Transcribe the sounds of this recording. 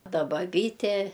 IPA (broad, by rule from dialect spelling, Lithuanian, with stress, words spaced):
ˈtɐ bɐˈbʲiːtʲeː